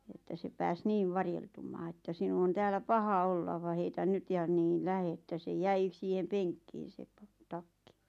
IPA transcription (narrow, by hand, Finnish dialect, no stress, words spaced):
etːæ se pæːs niːʋ ʋɑrjeltumːɑː etːæ sinu on tæːlæ pɑhɑ olːɑ ʋɑ heitæn nyt jɑ niːn læhe etːæ se jæi siːhem peŋkːiːn̞ se pɑ tɑkːi